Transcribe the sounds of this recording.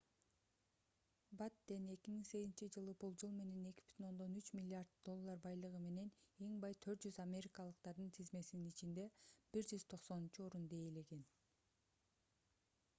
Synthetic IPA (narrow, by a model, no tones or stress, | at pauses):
bat̪d̪e̞ne̞kʲimiŋse̞ɡʲizint͡ʃid͡ʒɯlˠɯbulˠd͡ʒɯlˠme̞ne̞ne̞ki̥bpyt̪ʰino̞nd̪o̞nyt͡ʃmʲilʲːɪard̪̚d̪o̞lˠːaɾbɑjlˠɯʁɯme̞ne̞ne̞ŋbɑjt̪ʰø̞ɾt̪̚d͡ʒyzamʲe̞ɾʲikɑlˠɯqt̪ɑɾd̪ɯnt̪ʰizme̞sininit͡ʃind̪e̞b̥iɾd͡ʒyz̥t̪ʰo̞qso̞nunt͡ʃuo̞ɾund̪ejele̞ɡe̞n